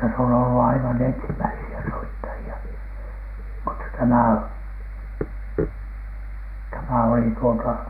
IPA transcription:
se on olːu ɑiʋɑn ensimæisiæ soitːɑjiɑ mutːɑ tæmæ o tæmæ oli tuotɑ

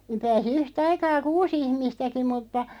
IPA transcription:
niːm̆ pæːsi yhtɑikɑː kuːs ihmistæki mutːɑ

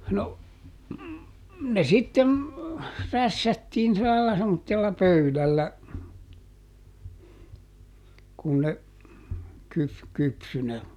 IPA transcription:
no ne sitːen ræsːætːiːn silæ lɑlɑ semːotːelːɑ pøylælːæ kun ne kyf kypsy ne

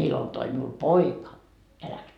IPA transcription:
ilon toi miul poikɑ jɑ læks

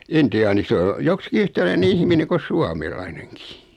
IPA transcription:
intiɑːni sĕ o joksĭki yhtælæine ihmine ko suɑmelɑineŋkiː

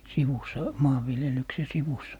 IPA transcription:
siʋusˑɑ mɑːʋːiljelykse siʋus

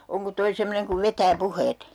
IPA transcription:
oŋko toi semːoneŋ kuʋ ʋetæː puheːt

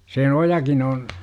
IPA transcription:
se ojɑkin oːn

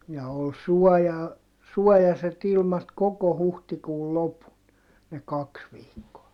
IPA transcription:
jɑ ol suɔjɑ suɔjɑset ilmɑt koko huhtikuːl lopun ne kɑks ʋiːkːoɑ

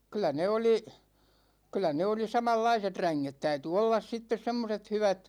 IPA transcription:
kylˑæ ne oli kylˑæ ne oli sɑmɑlːɑiset ræŋːet tæyty olːɑs sitːes semːoset hyʋæt

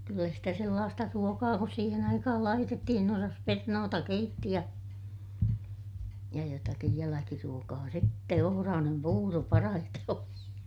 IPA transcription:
kylːæ sitæ selːɑːstɑ ruokɑː kus siːhen ɑikɑhɑl lɑitetːihin osɑs pernoːtɑ keitːi jɑ jɑ jotɑkij jælækiruokɑː sĭtːe ohorɑːnem puːro pɑrɑhite oli

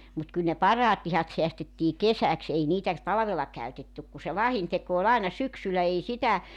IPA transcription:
mut kyl ne pɑrɑːt lihɑt seæstetːiː kesæks ei niːtæ tɑlɑ̆ʋelːɑ kæytetːyk ku se lɑhinteko ol ɑenɑ syksylæ ei sitæ

